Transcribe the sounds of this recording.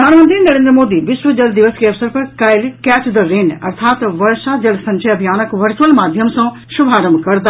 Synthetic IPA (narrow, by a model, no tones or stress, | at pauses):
ɾd̪ʱaːnmə̃nt̪ɾinɐɾẽːnd̪ɾəmoːd̪iʋɪʃʋəd͡ʑɐld̪ɪʋəskeɐʋsəɾpɐkɐjlkɛːt͡ʃd̪ɐɾeːnɐ̰ɾt̪ʰaːt̪ʋɐɾʃad͡ʑɐlsɐ̃ɲt͡ʃʰɐɐbʱijaːnəkʋɐɾt͡ʃuəlmaːd̪ʱjəmsõ | ʃʊbʱaːɾəmkɐɾd̪a